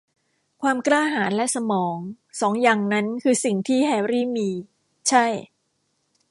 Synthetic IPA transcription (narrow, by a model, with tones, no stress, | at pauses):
kʰwaː˧mklaː˥˩ɦaː˩˦nlɛ˦˥sa˧mɔː˩˦ŋ | sɔː˩˦ŋja˨˧ŋna˦˥nkʰɯː˧si˨˩ŋt̪ʰiː˥˩hɛː˧ɾiː˥˩miː˧ | t͡ɕʰa˥˩j